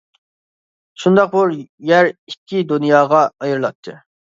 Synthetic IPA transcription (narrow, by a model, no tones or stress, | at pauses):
ʃund̪ɑq̚buɾjæɾikʲʰːid̪unijɑːʁɑɑjɨɾɨlˠɑt̪ʰːɨ